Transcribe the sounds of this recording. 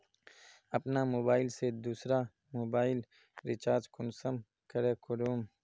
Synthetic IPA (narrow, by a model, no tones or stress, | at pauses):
ɐpnamoːbaːɪlsed̪uːsɾa | moːbaːil | ɾɪt͡ʃaːɾd͡ʒkʊnsɐm | kɐɾekʰʊɾuːm